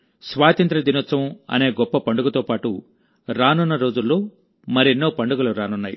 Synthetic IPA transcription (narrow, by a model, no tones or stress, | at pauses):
sʋaːt̪ɐnt̪ɾɐd̪inɐt̪sːɐmɐ̰ne̞ːɡɔpːɐpɐɳɖuɡɐt̪oːpaːʈu | ɾaːnunːɐɾo̞ːd͡ʒulːo̞ː | mɐɾienːoːpɐɳɖuɡɐluɾaːnunːaːjḭ